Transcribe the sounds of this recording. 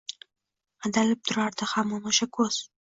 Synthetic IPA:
ad̪alɪp̚t̪ʰʊɾaɾd̪ɪhamːɒnaʃakʰɵz̥

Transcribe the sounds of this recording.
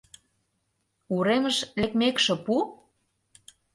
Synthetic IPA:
uɾeməʃlekmekʃĕpu

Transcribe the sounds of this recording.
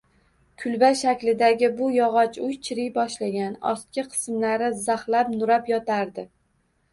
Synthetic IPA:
kʰʊlbaʃakʲlɪd̪aɡʲɪbʊjɒʁɒt͡ʃʊjt͡ʃʰɪɾɪjbɒʃlaɡʲanɒ̰st̪̚kʲɪqʰɨ̥smlaɾɪzaχlapnʊɾapjɒt̪ʰaɾd̪ɪ

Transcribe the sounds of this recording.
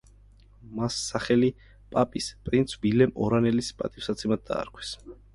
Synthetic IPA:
masːaχɛli | pʼapʼispʼɾint̪sʰbilɛmɔ̰ɾanɛlispʼa̰t̪ʼifsat̪sʰɛmad̪̚d̪a̰ːɾkʰwɛ̥s

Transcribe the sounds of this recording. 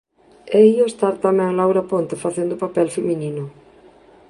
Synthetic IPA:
ɛioest̪aɾt̪amɛ̃ŋlawɾapont̪efaθend̪ʊpapɛlfemĩninʊ

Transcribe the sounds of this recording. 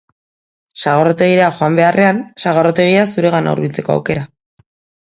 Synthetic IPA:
saɣ̞oɾot̪e̞ɣ̞iɾeaxo̞ambe̞arʔe̞ansaɣ̞oɾot̪e̞ɣ̞iasuɾe̞ɣana̰ṵɾβilt͡se̞koa̰wke̞ɾa

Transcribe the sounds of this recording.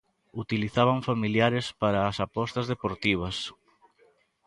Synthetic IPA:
ut̪iliθaβ̞aɱfamiljaɾɪspaɾaːsapɔst̪ɐzðepoɾt̪iβ̞ɐs

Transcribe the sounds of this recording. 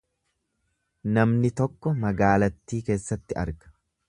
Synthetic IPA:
nɐmnɪt̪ɔkːɔmɐɡaːlɐt̪ːiːke̞ːsːɐt̪ːɪɐ̰ɾɡɐ̥

